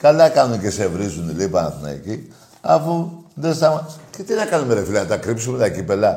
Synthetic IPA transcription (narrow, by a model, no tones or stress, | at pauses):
kalakanukesevɾizunilepana̰θuna̰ḭki | a̰fund̪esamaket̪inakanumeɾefilant̪akɾips̬imulakipela